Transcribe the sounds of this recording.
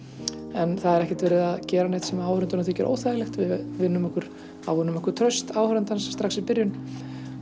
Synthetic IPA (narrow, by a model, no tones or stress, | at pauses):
ɛnθaðɛɾɛhcɛ̥t̪vɛːɾɪðaðcɛːɾaneːht̪sɛmaaːwhɾʏnt̪ʏɾnaθʏːcɛɾʔo̰ːwθajlɛxt̪vɪðvɪnːʏmɛhkʏɾ̥ | a̰wvʏnːʏmɛhkʏɾ̥t̪ʰɾœɥst̪aːwhɾʏnt̪anst̪ɾaxsɪpɪɾjʏn